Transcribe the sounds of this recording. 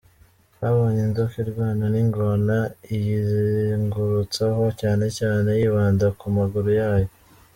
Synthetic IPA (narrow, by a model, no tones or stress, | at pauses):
haβo̞ːɲenzokiɾɡwaːnaniŋɡonaijiziŋɡuɾut͡saho̞caːne̞caːne̞jiːβaːndakumaɡuɾujaːjo